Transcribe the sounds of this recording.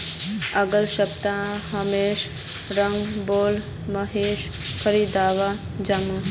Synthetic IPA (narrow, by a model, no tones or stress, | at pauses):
ɐɡəlʃɐbt̪ãɦɐmeːʃ | ɾɐŋɡboːl | mɐɦeːʃ | kʰəɾid̪aːʋa | d͡ʒɐma